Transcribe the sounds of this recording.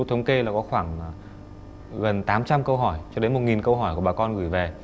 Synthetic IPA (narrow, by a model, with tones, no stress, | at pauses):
t̪ʰə˨˦wŋ͡mke˧laː˨˩kɔ˨˦xwaː˧˩ŋ˨ | ɣə˨˩nt̪aː˨˦mt͡ɕa˧mkə˧wɦɔ˧˩jt͡ɕɔ˧ɗe˨˦nmo˨˩t̚ŋi˨˩nkə˧wɦɔ˧˩jku˧˩ɓaː˨˩kɔ˧nɣɨ˧˩jve˨˩